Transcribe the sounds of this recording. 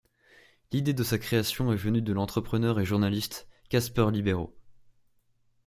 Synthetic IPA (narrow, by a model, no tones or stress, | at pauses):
lid̪ed̪əsakχeasjɔ̃ɛvənyd̪əlɑ̃t̪χəpχənœʁeʒuʁnalist̪kʲaspœʁlibeʁo̰